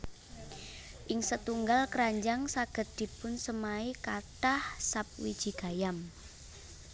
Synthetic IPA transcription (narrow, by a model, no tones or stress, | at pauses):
ʔɪŋsət̪uŋɡalkəɾaɲd͡ʒaŋsaɡ̥ə̤t̪̚d̪̥i̤pʊnsəmaikaʈahsap̚wid̥ʒ̥i̤ɡ̥a̤jam